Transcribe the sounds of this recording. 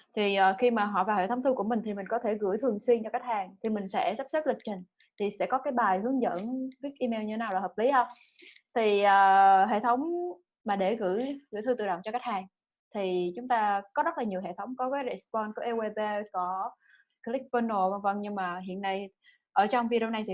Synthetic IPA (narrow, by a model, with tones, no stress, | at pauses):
t̪ʰi˨˩ʔːxi˧maː˨˩ɦɔ̰˧˨vaː˨˩whḛ˧˩t̪ʰŋ͡mt̪ɨ˧ku˧˩əmï˨˩t̪ʰi˨˩mï˨˩ŋ̟kɔ˨˦t̪ʰe˧˩ɣɨ̰˧˥jt̪ʰɨ˨˩əŋswi˧nt͡ɕɔ˧kaː˦˥k̚haː˨˩ŋt̪ʰi˨˩mï˨˩ŋ̟sɛ̰˧˥sa˦˥psə˦˥lï˨˩k̟̚t͡ɕï˨˩ŋ̟ | t̪ʰi˨˩sɛ̰˧˥kɔ˨˦kaː˨˦jɓaː˨˩jhɨ˨˦əŋzə̰˧˥nvi˦˥ək̚ʔi˧me˧wɲɨ˧e˦naː˨wlaː˨˩həː˨˩p̚li˨˦hə˧wŋ͡m | t̪ʰi˨˩ʔəː˨˩ɦḛ˧˨t̪ʰə˨˦wŋ͡m | maː˨˩ɗe˧˩ɣɨ̰˧˥jɣɨ̰˧˥t̪ɨ˧t̪ɨ̰˧˨ɗə̰˧˨wŋ͡mt͡ɕɔ˧kaː˦˥k̚haː˨˩ŋ | t̪ʰi˨˩t͡ɕʊ˨˦ŋ͡mt̪aː˧kɔ˨˦zə˦˥laː˨˩ɲi˨˩əwɦḛ˧˨t̪ʰə˨˦wŋ͡mkɔ˨˦kaː˨˦jɾe˨˩spɔ˧nkɔ˧˦ʔe˧we˧ɓe˧kɔ˨˦ | ki˦˥k̚fə˧no˧və˧˩və˧ŋɲɨ˧ŋmaː˨˩ɦḭ˧˨ənːa˧j | ʔəː˧˩t͡ɕɔ˧wŋ͡mvi˧ɾo˧wna˧jt̪ʰi˨˩